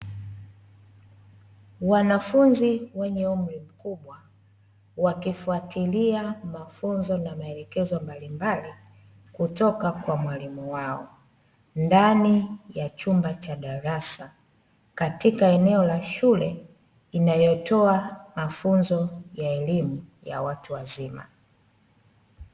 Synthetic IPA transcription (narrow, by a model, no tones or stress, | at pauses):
wanafunziwɛɲɛum̩ɾim̩kuɓwa | wakifuatiliamafunzɔnamaɛlɛkɛzɔmbalimbali | kutɔkakwamwalimuwaɔ | ndanijat͡ʃumbat͡ʃaɗaɾasa | katikaɛnɛɔlaʃulɛ | inajɔtɔamafunzɔjaɛlimuja̰watuwazima̰